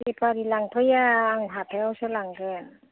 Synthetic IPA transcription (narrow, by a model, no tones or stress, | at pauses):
ipʰaɾilaŋpʰɯjaːŋɦatʰaawsɯlaŋɡɯn